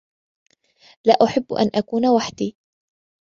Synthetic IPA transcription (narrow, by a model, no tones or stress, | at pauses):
laːʔʊħɪb̰ːʔa̰nʔakuːnawaħd̪iː